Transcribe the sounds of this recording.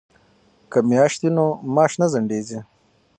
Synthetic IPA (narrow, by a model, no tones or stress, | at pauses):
kɐmjaːʂt̪inomɑːʂnɐzɐɳɖeːzi